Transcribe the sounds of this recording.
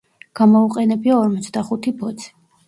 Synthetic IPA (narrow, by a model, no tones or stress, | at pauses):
ɡ̥amɔuqʼɛnɛbiaɔɾmɔt̪sʰd̪aχut̪ʰibɔt̪sʰɛ̥